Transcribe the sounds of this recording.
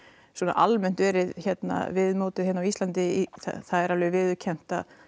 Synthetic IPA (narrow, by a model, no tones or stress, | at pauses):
swɔːna̰ʔalmɛn̥t̪vɛːɾɪðçɛt̪na̰vɪðmoːt̪ɪðhɛnːawist̪lant̪ɪθa̰θaðɛɾavlɛʏvɪðʏcʰɛn̥t̪a